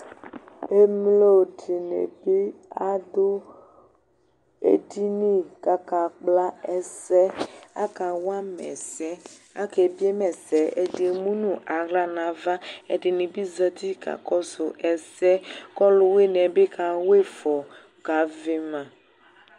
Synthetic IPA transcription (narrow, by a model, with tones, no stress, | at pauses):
e˦mlo˦di˨nḛ˨be˦a˦dʊ˦ | ḛ˨di˦nĩ˦ka˨ka˨k͡pla˦ɛ˨sɛ˦a̰˦ka˨wa˦mɛ̰˨sɛ˦a̰˦ke˨bi˦e˦mɛ˨sɛ˨e˨di˨mũ˦nũ˦ʔa˨ɣla˦nã˨va˦e˨di˨nĩ˨bi˦zə˦t̪i˦ka̰˨kɔ˦so˨ʔɛ˨sɛ˦kɔ˦lʊ˦we˦nɛ̃˨be˦ka˨we˦fɔ˨ | ɡa˨ve˦mã˨